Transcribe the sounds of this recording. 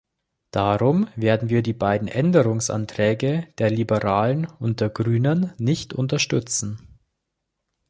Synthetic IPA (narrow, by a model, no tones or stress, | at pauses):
d̥aʁʊmveːɐdn̩viːɐdiːbaɪdn̩ʔɛndəʁʊŋsʔa̰ntʁ̥ɛːɡəd̥eːɐlibəʁaːlənʊnt̚d̥eːɐɡʁyːnənːɪçtʰʊ̰ntɐʃtʏt͡sn̩